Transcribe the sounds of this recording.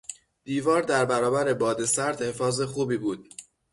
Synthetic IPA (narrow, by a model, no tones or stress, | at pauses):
d̪̥iːvɒːɾd̪æɾbæɾɒːbæɾe̞bɒːd̪e̞sæɾd̪he̞fɒːze̞xuːbiːbuːd̪̥̚